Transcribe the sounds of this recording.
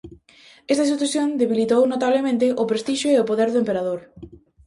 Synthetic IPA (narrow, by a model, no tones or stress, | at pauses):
ɛst̪as̬it̪uθjõnd̪eβilit̪ownot̪aβlemẽnt̪̬ɪʔopɾest̪iʃoeopoðeɾðoempeɾaðoɾ